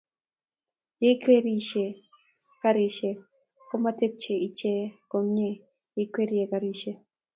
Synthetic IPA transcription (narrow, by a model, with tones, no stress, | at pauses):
je˦kwe˦ɾi˨ʃe˨ | ka˦ɾi˨ʃe˨ | ko˦ma˦te˦p̚t͡ʃe˨i˨t͡ʃe˦ko˨mɲe˦ | je˦kwe˦ɾije˨kaɾi˨ʃe˨